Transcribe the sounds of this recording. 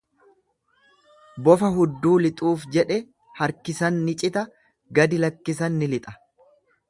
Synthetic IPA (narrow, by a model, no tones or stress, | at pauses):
bɔfɐɦʊd̪ːuːlɪt̪ʼuːfd͡ʒɛᶑɛ | hɐɾkɪsɐnːɪt͡ʃʼɪt̪ɐ | ɡɐd̪ɪlɐkːɪs̬ɐnːɪlɪt̪ʼɐ̥